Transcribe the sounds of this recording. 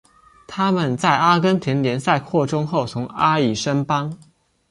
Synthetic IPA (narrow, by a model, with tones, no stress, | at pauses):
t̪ʰa˥mə˨nt͡sa˥˩ɪa˥kə˥nt̪ʰjɛ˧˥nljɛ˧˥nsa˥˧ɪkʰwɔ˥˧˩ʈ͡ʂʊ˥ŋxo˥˩ʊt͡sʰʊ˧˥ŋa˥i˨˩ʂə˥npɑ˥ŋ